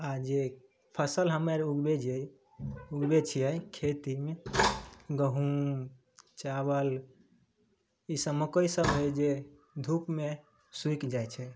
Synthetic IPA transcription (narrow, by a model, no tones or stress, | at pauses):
ad͡ʒe | pʰəsəlɦəməɾuɡbed͡ʒej | uɡbet͡ʃʰijɛjkʰet̪ime | ɡəɦum | t͡ʃabəl | isəməkəjsəbɦəjd͡ʒe | d̪ʱupme | suikd͡ʒajt͡ʃʰɛ